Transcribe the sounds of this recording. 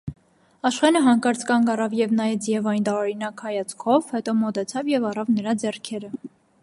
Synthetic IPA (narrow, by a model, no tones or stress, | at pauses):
ɑʃχɛnəɦɑŋkɑɾt͡skɑŋɡɑrɑvjɛvnɑjɛt͡sjɛvɑjnt̪ɑɾɔɾinɑkhɑjɑt͡sʰkʰɔvhɛt̪ɔmɔt̪ɛt͡sʰɑvjɛvɑrɑvnəɾɑd͡zɛrkʰɛɾə